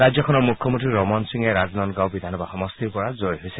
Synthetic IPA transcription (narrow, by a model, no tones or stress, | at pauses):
ɹazjɔkʰɔnɔɹmukʰːɔmõntɹiɹɔmɔnsiŋɛɹaznɔnɡawbid̪ʱanɔbaxɔmɔst̪iɹpɔɹazojɦojsɛ